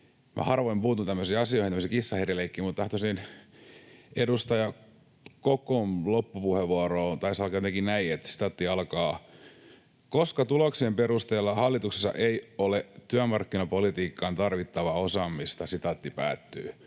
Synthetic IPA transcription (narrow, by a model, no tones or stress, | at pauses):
mʔæ̰hɑrʋoimpuːt̪unt̪æmːøsiːɑsiohinæmːsiːkisːɑheræleikːiːmut̪t̪ɑht̪osin | edust̪ɑjɑ | kokomlopːupuheʋuoroːnt̪ɑisɑlkɑjot̪eŋkinnæiet̪si̥t̪ɑt̪ːiɑlkɑː | koskɑt̪uloksiemperust̪eːlːɑhɑlːit̪ukse̥sːɑ̰ʔeiolet̪yæmɑrkːinɑpolit̪iːkːɑnt̪ɑrʋit̪ːɑʋɑosɑmːist̪ɑsit̪ɑt̪ːipæ̰ːt̪ːyː